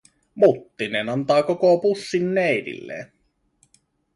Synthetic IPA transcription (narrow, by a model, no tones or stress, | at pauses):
mut̪ːinenɑnt̪ɑːkokopusːinːeidḭlːḛːn